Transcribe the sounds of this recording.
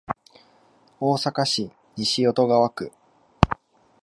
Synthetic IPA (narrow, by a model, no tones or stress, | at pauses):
o̞ːsakaɕi | ɲiɕio̞t̪o̞ɡaβakɯ̟